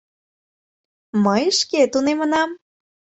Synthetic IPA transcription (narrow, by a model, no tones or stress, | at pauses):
məjʃket̪unemənɑm